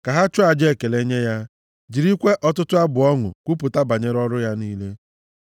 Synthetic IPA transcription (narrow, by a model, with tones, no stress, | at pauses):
ka˨ɦa˦t͡ʃʊ˦a˨d͡ʒe˦˨ke˨le˦ɲe˦ja˦ | d͡ʒi˨ɾi˦kʷe˦ʔɔ˦tʊ˦tʊ˦a˦bʊ˨ɔ˦ŋʊ̰˨kʷu˦pʊ˨ta˦ba˨ɲe˦ɾɔ˦ɾʊ˦ja˦niː˦le˦